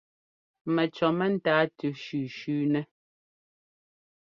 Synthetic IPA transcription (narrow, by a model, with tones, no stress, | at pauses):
mɛ˨t͡ʃɔ˨mɛ˦n̩˦taː˨˦tʉ˨ʃʉː˨ʃʉː˦nɛ˦